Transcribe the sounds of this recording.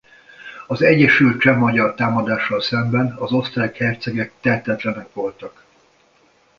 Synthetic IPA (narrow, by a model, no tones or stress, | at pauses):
ɒzɛɟːɛʃylt̪t͡ʃɛmːɒɟɒrt̪aːmɒd̪aːʃːɒlsɛmbɛnɒzo̞st̪raːkhɛrt̪sɛɡɛk̚t̪ɛt̪ɛt̪lɛnɛkʋo̞lt̪ɒk